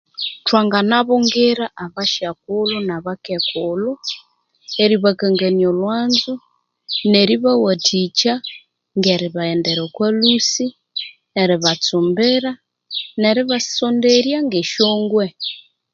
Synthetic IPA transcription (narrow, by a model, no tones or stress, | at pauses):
twaŋɡanaβoŋɡeɾaʔaβaʃak̚ulunaβakekulɔ | eɾiβakaŋɡaniolwanzu | neɾiβawatʰit͡ʃa | ŋɡeɾiβaendɛɾokwalusi | eɾiβat͡sumbɛɾa | neɾiβasondeɾjaŋɡeʃoːŋɡwe